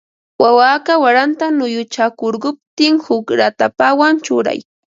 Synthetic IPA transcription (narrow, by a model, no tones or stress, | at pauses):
wawakawaɾant̪anʊjʊt͡ʃakoɾɢʊp̚t̪ɪŋhʊkɾat̪apawant͡ʃʊɾa̰j